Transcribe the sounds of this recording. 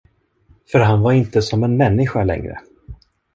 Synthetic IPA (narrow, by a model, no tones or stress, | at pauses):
fœɾɦanvaɾɪnt̪əsɔmɛnmɛnːɪɧalɛ̰ŋɾə̰